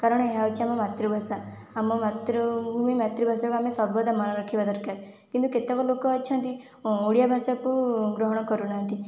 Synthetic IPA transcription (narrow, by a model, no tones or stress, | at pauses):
kaɾɔɽ̃eɦawt͡ʃʰiamɔmat̪ɾubʱasaː | mɔmat̪ɾɔbʱumimat̪ɾibʱasakuamesɔbɔd̪ʱamanɔɾɔkʰibad̪ɔɾkaɾ | kint̪uket̪akɔlokɔːt͡ʃʰɔ̃nt̪i | uɽijabʱasakuɡɾɔɦɔɽ̃ɔkɔɾunaɦnt̪i